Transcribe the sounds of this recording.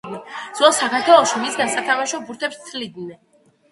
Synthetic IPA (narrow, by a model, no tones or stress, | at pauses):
d̪nɛz̥ɔsakaɾt̪ʰwɛlˠɔʃimisɡansat̪ʰamaʃɔbuɾt̪ʰɛpst̪sʰlid̪nɛ